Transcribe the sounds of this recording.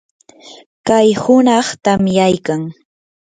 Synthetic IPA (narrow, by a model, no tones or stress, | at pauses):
kajhʊnɑχt̪amjajkaŋ